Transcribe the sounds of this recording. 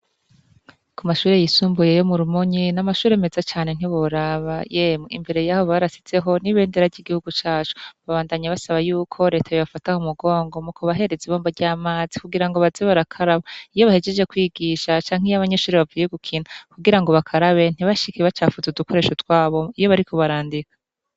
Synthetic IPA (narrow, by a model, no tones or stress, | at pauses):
kumaʃuːɾejisuːmbujejo̞muɾumoɲinamaʃuːɾe̞ːme̞zat͡ʃaːne̞n̥iβoɾaβajemḭmbe̞ɾe̞jaːho̞βaɾasi̥z̥e̞ɦo̞niβe̞ːndeɾavɟiɡihuɡut͡ʃaːt͡ʃu̥βaβaːndaɲaβasaβajuːkʰo̞ɾe̞ːtʰajoβafatahumuɡo̞ːŋɡo̞mukoβaɦe̞ɾe̞ziβoːmbaɾɟaːmaːzikuɡiɾaŋɡo̞βazeβaɾakʰaɾaβaijo̞βahe̞d͡ʒe̞d͡ʒe̞kwiːɡiʃat͡ʃaːŋhijaβaɲeʃuːɾeβavujeɡukʰinukuɡiɾaŋɡo̞βakʰaɾaβe̞n̥iβaʃikiβat͡ʃaːfuzuduko̞ɾe̞ʃotwaːβo̞ijo̞βaɾikʰo̞βaɾaːndikḁ